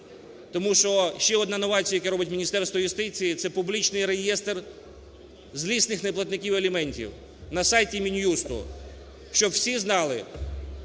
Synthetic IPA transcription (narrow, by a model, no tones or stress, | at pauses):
t̪ɔmuʃɔʃt͡ʃɛɔd̪nɑnɔʋɑt͡sʲijɐjɐkɛɾɔbɪtʲmʲinʲist̪ɛrst̪ʋɔjʊst̪ɪt͡sʲijit̪sɛpublʲit͡ʃnɪjɾejɛst̪r | zʲlʲisnɪxneplˠɐt̪nɪkʲiwɐlʲimɛnʲtʲḭw | nɐsɑjtʲimʲinʲjust̪ʊ̰ | ʃt͡ʃɔbwsʲiznɑlˠɪ